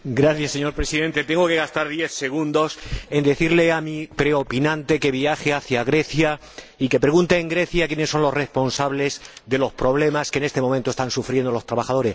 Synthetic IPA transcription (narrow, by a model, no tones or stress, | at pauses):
ɡɾaθjasːe̞ɲo̞ɾpɾe̞siðe̞nt̪e̞t̪e̞ŋɡo̞ke̞ɣast̪aɾðje̞θse̞ɣ̞ũnd̪o̞se̞nd̪e̞θiɾle̞amipɾe̞o̞pinãnt̪e̞ke̞βiaxeaθjaɣɾe̞θja | ike̞pɾe̞ɣunt̪eːŋɡɾe̞θjakje̞ne̞sːo̞nlo̞sre̞spo̞nsaβle̞zðe̞lo̞spɾo̞β̞le̞maskenet̪e̞momẽnt̪ost̪ansufɾje̞nd̪o̞lo̞st̪ɾaβaxað̞o̞ɾe̞s